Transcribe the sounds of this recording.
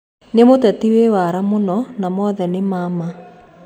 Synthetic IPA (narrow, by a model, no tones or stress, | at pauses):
nemotɛtiwewaɾamonɔnamɔːðɛnemama